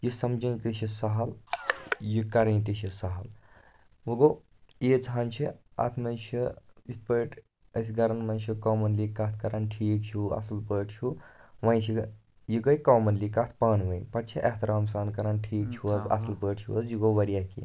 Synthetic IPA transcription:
jusɐmd͡ʒɐnkit͡ʃʰisɐɦɐl | jukɐɾɐnt̪iʃʰisɐɦɐl | ʋuɡoː | iːd͡zaːnt͡ʃʰiɐ̰t̪ʰmɐnt͡ʃʰiit̪̚pəːʈ | ɐs̬ʲɡɐɾɐnmɐnt͡ʃʰikoːmɐnlikːɐt̪ʰkɐɾaːnʈʰiːk̚t͡ʃʰuɐ̰sɐlpəːʈt͡ʃʰuʋɐ̃jt͡ʃʰi | jiɡɐjkoːmɐnlikɐt̪ʰpaːnʋɐjpɐt͡ʃʰiʔɐht̪ɐɾaːms̬aːnkɐɾaːnʈʰiːk̚t͡ʃʰuɐzɐ̰sɐlpəːʈt͡ʃʰuəzjiɡoʋɐɾijaːkḭ

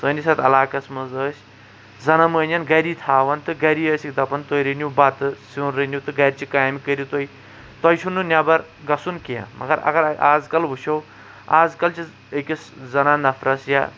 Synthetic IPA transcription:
səːnisɐt̪ɐlaːkɐsmɐzəːsʲ | zɐnɐməːnʲɐnɡɐɾiːt̪ʰaːʋɐnt̪ɨɡɐɾiːəːsikd̪ɐpɐnt̪oiɾɨnʲubat̪ɨsiwnɾɨnʲut̪ɨɡɐɾʲt͡ʃikaːjmikəɾʲit̪oi | t̪ɐjʃʰunːɨnʲabɐɾ | ɡɐsunkijã̰mɐ̰ɡɐɾɐ̰ɡɐɾaːd͡zkɐlbuʃow | aːd͡zkɐlt͡ʃʰi | əkʲɐszɐnaːnɐfʰɾʔɐsja̰

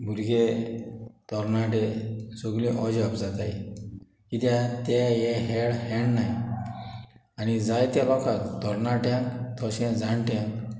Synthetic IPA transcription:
bʱuɾɡe | t̪ɔɾnaʈesoɡlĩʔɔd͡ʑəpd͡zat̪aj | kit̪jat̪ajɛɦɛɭhɛɳnaj | añid͡zajt̪jalɔkat̪ːɔɾnaʈjãkt̪ɔɕɛ̃d͡zãɳʈjãŋk

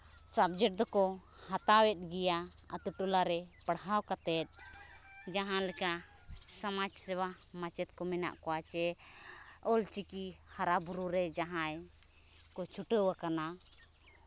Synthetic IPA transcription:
sab̚d͡ʒɛʈ̚d̪ɔkɔ | hat̪awɛt̪̚ˀɡɛja | a̰t̪uʈulaɾɛpaɽɦawkat̪ɛt̪̚ˀ | d͡ʒaɦãlɛka | samad͡ʒsɛwa | mat͡ʃɛt̪̚kɔmɛna̰ʔkɔwat͡ʃɛ | ɔlt͡ʃiki | haɾabuɾuɾɛd͡ʒaɦãj | kɔt͡ʃʰuʈəwakana

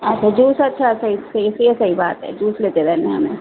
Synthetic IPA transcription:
ətːʃʰad͡ʒusətːʃʰasəisəisesəibaːt̪ɦɛ̰d͡ʒuːslet̪ed̪anmeɦəmḛ

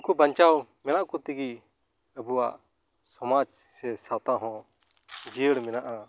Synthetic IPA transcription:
kɔbaɲt͡ʃawmɛnaʔkɔt̪iɡi | əbuwaʔ | sɔmad͡ʒsɛsawt̪ãɦɔ̃ | d͡ʒiəɽmɛnaʔa

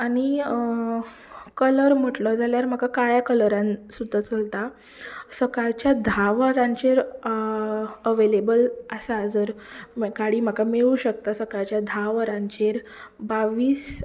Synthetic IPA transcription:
ani | kələɾm̤əʈlɔd͡zaljaɾm̤akakaɭjakələɾãnsud̪ʱːat͡səlt̪a | səkaɾt͡ɕjad̪ʱaʋɾãɲt͡ɕeɾ | əʋelebəlasad͡zəɾkaɽiːm̤akameɭuːɕək̚t̪asəkaɾt͡ɕjad̪ʱaʋɾãɲt͡ɕeɾ | baʋiːs

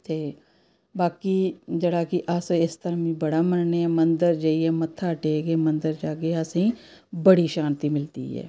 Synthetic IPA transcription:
t̪eː | baːkiːd͡ʒəɽaːkɪʔəsɪst̪əɾãːmĩːbəɽaːmənneɛːmənd̪əɾd͡ʒeːiɛːmət̪ʰːaːʈeːɡeːmənd̪əɾd͡ʒaːɡeːəsĩː | bəɽiːʃaːnt̪iːmɪlt̪ḭːɦɛ̰ː

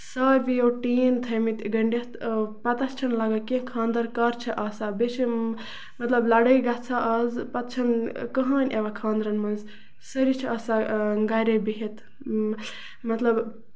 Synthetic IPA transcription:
sɐɾbijoʈiːnt̪ʰɐmit̪ɡɐɳɖet̪pɐt̪ɐst͡ʃʰɐnlaɡɐkẽkʰãːnd̪ɐɾkɐɾt͡ʃʰɐʔɐsabet͡ʃi | mɐt̪lɐblaɽəjɡatt͡sʰaʔɐzpɐt̪t͡ʃʰɐnkəɦɐnʲʔeʋakʰãːnd̪ɾɐnmɐnz | sɐɾit͡ʃʰiɐsaɡajɾebiɦet̪ | mɐt̪lɐb

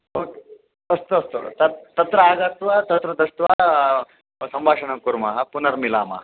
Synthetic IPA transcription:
ok | ɐst̪uɐst̪ut̪ɐt̪ɐt̪ɾɐaːɡɐt̪ʋɐt̪ɐt̪ɾɐd̪ɐʂt̪ʋa | sɐmbʱaːʂɐɳɐkuɾmɐɦɐpunɐɾmilaːmɐ̰ɦɐ

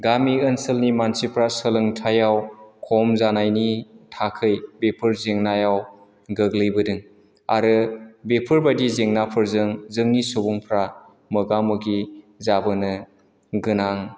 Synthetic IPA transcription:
ɡamiɯnsɯlnimansipʰɾasəlɯŋtʰajawkʰɔmzanajnitʰakʰɯjbepʰɯɾzeŋnajaw | ɡɯɡlɯjbɯdɯŋ | a̰ɾɯbepʰɯɾbadizeŋnapʰɯɾzɯŋzɯŋnisobuŋpʰɾa | mɯɡamɯɡi | zabɯnɯ | ɡɯnaŋ

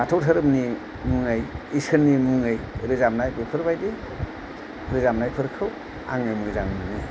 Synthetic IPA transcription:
atʰowtʰɯɾɯmni | muŋajisɯnːimuŋɯjɾɯzamnajbepʰɯɾbajdi | ɾɯzamnajpʰɯɾkʰɯw | a̰ŋɯjmuzaŋmɯni

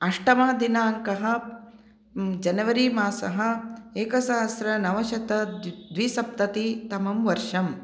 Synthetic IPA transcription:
ɐʂʈɐmaːd̪inaːŋkɐɦɐ̆ | d͡ʒɐnɐʋɐɾimaːsɐɦɐ̆eːkɐsaːɦɐsɾɐnɐʋɐʃɐt̪ɐd̪ʋisɐp̚t̪ɐt̪it̪ɐmɐmʋɐɾʃɐm

